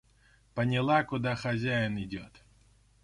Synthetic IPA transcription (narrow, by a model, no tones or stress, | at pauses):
pənʲɪlˠakʊd̪axɐzʲæjɪnɪdʲot̪